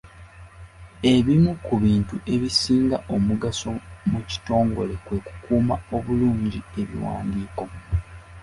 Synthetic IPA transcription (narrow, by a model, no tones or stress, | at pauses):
e̞βimukuβiːntuʔe̞βisiːŋɡaʔo̞muɡaso̞muci̥to̞ːŋɡo̞le̞kwe̞ku̥kuːmao̞βuluːɲɟie̞βḭwa̰ːndiːko̞